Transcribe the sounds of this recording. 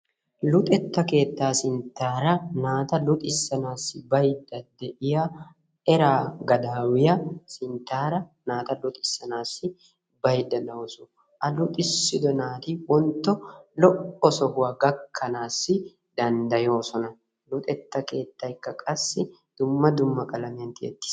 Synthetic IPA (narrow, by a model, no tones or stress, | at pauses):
lʊt̪ʼɛt̪ːɐke̞ːt̪ːaːsɪnt̪ːaːɾɐnaːt̪ɐlʊt̪ʼɪsːɐnaːsːɪbɐjd̪ːɐd̪ɛʔɪja | ɛɾaːɡɐd̪aːwɪjɐsɪnt̪ːaːɾɐnaːt̪ɐlʊt̪ʼɪsːɐnaːsːɪ | bɐjd̪ɐnɐwɔsʊ | ʔɐlʊt̪ʼɪsːɪd̪ɔnaːt̪iwɔnt̪ːɔlɔʔɔsɔhʊɐɡɐkʰːɐnaːsːɪ | d̪ɐnd̪ɐjo̞ːsɔnɐ | lʊt̪ʼɛt̪ːɐke̞ːt̪ːɐɪkːɐkʼɐsːɪ | d̪̥ʊmːɐd̪ʊmːɐkʼɐlɐmɐnt̪ɪɛ̰t̪ːɪ̥s